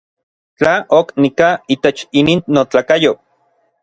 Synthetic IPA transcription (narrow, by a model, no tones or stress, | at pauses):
t͡ɬaʔoknikait̪et͡ʃiniːnːot͡ɬaːkajo